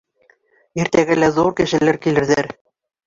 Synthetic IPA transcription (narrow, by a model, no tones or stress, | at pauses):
iɾt̪æɡɘlæðuɾkɘ̆ʃɘ̆læɾkilɘ̆ɾðæɾ